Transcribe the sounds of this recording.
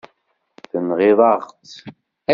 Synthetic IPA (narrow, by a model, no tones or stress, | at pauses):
θənʁiðɑʁt̪